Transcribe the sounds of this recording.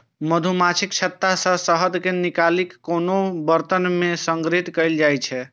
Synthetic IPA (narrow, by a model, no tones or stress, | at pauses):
məd̪ʱumat͡ʃʰikt͡ʃʰət̪ːasə̃səɦəd̪ʱkenikalikːonobəɾt̪ənmesəŋɡɾit̪kəjld͡ʒajt͡ʃʰɛ